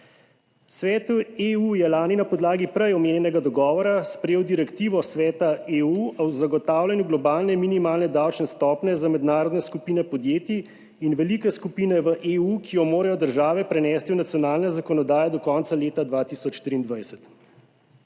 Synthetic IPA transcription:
sʋɛːt̪ueujɛlaːninapɔd̪laːɡipɾɛjɔmeːnʲjɛnɛɡad̪ɔɡɔːʋɔɾaspɾɛjeːwd̪iɾɛkt̪iːʋɔsʋɛːt̪aeuɔwzaɡɔt̪aːwlʲanjuɡlɔbaːlnɛminimaːlnɛd̪awt͡ʃnɛst̪ɔːpnɛzamɛd̪naːɾɔd̪nɛskupiːnɛpɔd̪jeːt̪i | inʋɛlikɛskupiːnɛʋəʔeukʰijɔmoːɾajɔd̪əɾʒaːʋɛpɾɛnɛːst̪iwnat̪sjɔnaːlnɛzakɔnɔd̪aːjad̪ɔkɔnt̪saleːt̪ad̪ʋaːt̪isɔt͡ʃːt̪ɾiːnd̪ʋajsɛt̪

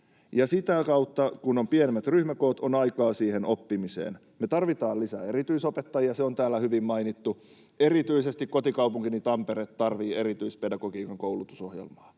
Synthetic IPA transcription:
jɑsit̪ækɑwt̪ːɑkunompienemːæt̪ryhmækoːt̪onɑjkɑːsiːheno̞pːimisḛːn | met̪ɑrʋit̪ɑːlisæe̞rit̪yisopet̪ːɑjiɑseo̞nt̪æːlːæhyʋimmɑinit̪ːu | e̞rit̪yisest̪ikko̞t̪ikɑwpuŋk̟init̪ɑmpeɾeːt̪t̪ɑrʋiːe̞ɾit̪yispe̞dɑɡo̞kiːkɑŋkowlut̪u̥so̞hjḛlmɑː

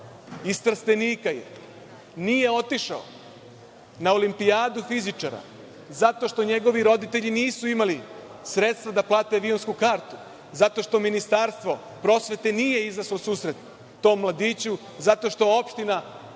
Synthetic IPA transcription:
ist̪r̩st̪eniːkajḛ | niːje̞o̞t̪iʃao | nao̞limpiaːd̪ufizit͡ʃaɾa̰ | zat̪o̞ʃt̪o̞ɲe̞ɡo̞ʋiɾo̞d̪it̪e̞ʎiniːsuimali | sɾe̞t̪st̪ʋad̪aplˠaːt̪e̞ʋionskukaːɾt̪u̥ | zat̪o̞ʃt̪o̞minist̪aɾst̪ʋo̞ | pɾo̞sʋe̞t̪eniːje̞izaʃlosuːsɾe̞t̪ː | o̞ːmːlˠad̪iːt͡ɕu | zat̪o̞ʃt̪o̞jeo̞pʃt̪ina

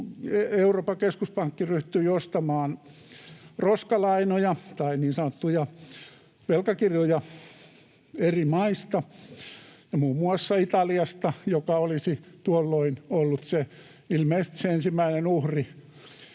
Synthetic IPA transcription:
eeuroːpɑkeskuspɑŋkːiryht̪yiost̪ɑmɑːn | roskɑlɑinojɑt̪ɑiniːnsɑnot̪ːujɑ | ʋelkɑkirjojɑ | erimɑist̪ɑ | jɑmuːmːuɑsːɑit̪ɑliɑst̪ɑjokɑolisit̪uolːoinolːut̪se | ilmeist̪i̥seensimːæinenuhri

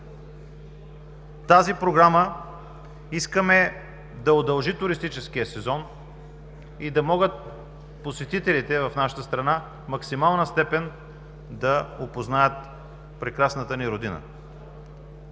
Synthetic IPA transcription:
t̪azipɾoɡɾamə | iskəmɛ | d̪ɐod̪ɐlˠʒit̪ʊɾist̪it͡ʃɛskijəsɛzɔn | id̪ɐmɔɡət̪̚ | posɛt̪it̪ɛlit̪ɛvɐfnaʃə̥t̪əst̪ɾɐna | mɐksimalˠnəst̪ɛpɛn | d̪ɐopoznajət̪ | pɾɛkɾasnət̪əniɾod̪inə̰

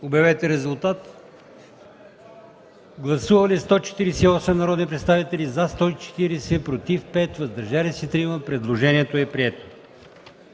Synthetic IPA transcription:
objɐvɛt̪ɛɾɛzʊlˠt̪at̪ | ɡlˠɐsuvɐlist̪ɔt͡ʃɛ̥t̪iɾɛsɛiɔsɛmnɐɾɔd̪nipɾɛt̪st̪avit̪ɛlizɐst̪ɔit͡ʃɛ̥t̪iɾɛsɛpɾot̪ifpɛt̪vɐzd̪ɐɾʒalisit̪ɾiməpɾɛd̪lˠoʒɛniɛt̪oɛpɾiɛt̪o̥

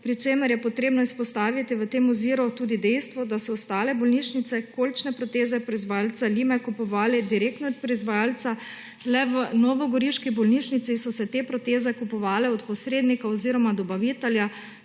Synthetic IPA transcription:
pɾit͡ʃeːməɾjɛpɔt̪ɾeːbnɔispɔst̪aːʋit̪iʋət̪eːmɔziːɾut̪uːd̪id̪ɛjst̪ʋɔd̪asɔɔst̪aːlɛbɔlniːʃnit̪sɛkolt͡ʃnɛpɾɔt̪eːzɛpɾɔizʋajalt̪saliːmɛkupɔʋaːlɛd̪iɾeːk̚t̪nɔt̪pɾɔizʋajaːlt̪sa | lɛʋənɔʋɔɡɔɾiʃkibɔlniʃnit̪sisɔsɛt̪epɾɔt̪eːzɛkupɔʋaːlɛɔt̪pɔsɾeːd̪nikaɔziɾɔmad̪ɔbaʋiːt̪ɛlja

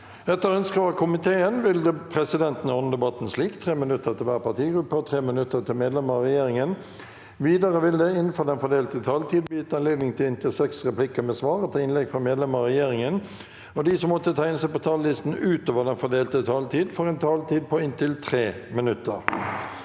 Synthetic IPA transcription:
ɛt̪ːəɾœnskəʋɑkʰʊmɪt̪ʰeːənʋɪld̪ɛpʰʁɛsɪd̪ɛnt̪n̩ɔnəd̪ɛbɑt̪n̩sliːkt̪ʰʁeːmɪnʉt̪ːəʁt̪ʰɪlʋæːʁəpɑt̪ʰiːɡɾʉpːəɔt̪ʰʁeːmɪnʉt̪ːət̪ʰɪlmeːd̪lɛməʁɛjeːɾɪŋən | ʋiːd̪ɑʁəʋɪld̪ɛɪnfoːd̪ɛnfɔd̪eːlt̪ət̪ʰɑːlt̪ʰiːd̪bjyːt̪əɑnleːd̪nɪŋt̪ʰɪlɪnt̪ʰɪlsɛksʁɛplɪkəmeːsʋɑːʁət̪ʰɪɪnlɛɡfʁɑmeːd̪lɛməʁɛjeːʁɪŋən | ɔd̪iːsɔmmɔt̪ːət̪ʰæɪnəsæɪpɔt̪ʰɑːllɪst̪n̩ʉːt̪oːʋəd̪ɛnfɔd̪eːlt̪ət̪ʰɑːlt̪ʰiːd̪fɔʁɛɪnt̪ʰɑːlt̪iːd̪̚pʰɔɪnt̪ʰɪlt̪ʰʁeːmɪnʉt̪ːəʁ

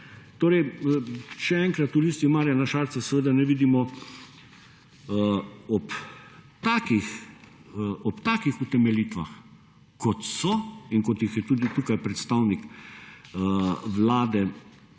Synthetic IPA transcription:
t̪oːɾɛj | ʃɛɛŋkɾat̪uliːst̪imaːɾjanaʃaːɾt̪sasɛʋeːd̪anɛʋiːd̪imɔ | ɔpt̪aːkix | ɔpt̪aːkixut̪ɛmɛliːt̪ʋa̰x | kɔt̪sɔinkɔt̪jixjɛt̪uːd̪it̪uːkajpɾɛt̪st̪awnik | ʋlaːd̪ɛ

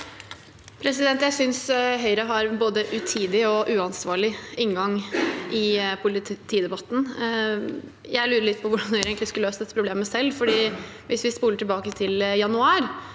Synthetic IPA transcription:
pʰɾɛsɪd̪ɛnt̪jæɪsʏnsɦœʏɾəɦɑɾboːd̪əʔʉt̪ʰiːd̪ɪɔʔʉːɑnsʋɑːɭɪɪŋɡɑŋʔɪpʰʊlɪt̪ʰiːd̪ɛbɑt̪ːn̩ | jæɪlʉːɾəɭɪt̪̚ːpʰɔʋʊɖɑnhœʏɾeːɡnt̪lɪskløːsəd̪ɛt̪ːəpɾʊbleːməsɛlːfɔɖiː | ʋɪsʋɪspuːləʈɪlbɑːkət̪ʰɪljɑnʉɑːɾ

